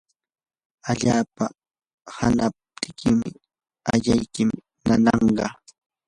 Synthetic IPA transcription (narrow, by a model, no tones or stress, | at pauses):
aʎaːpa | hanap̚t̪ʰɪ̥kʰɪmɪ | aʎajkɪm | nanɑɴɢɑ